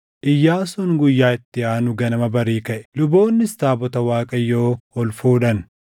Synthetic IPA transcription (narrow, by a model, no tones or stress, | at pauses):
ʔɪjːaːsʊnɡʊjːaːɪt̪ːɪaːnʊɡɐnɐmɐbɐɾiːkɐʔɛ̥lʊbo̞ːnːɪst̪aːbɔt̪ɐwaːkʼɐjːoːɔlfuːᶑɐn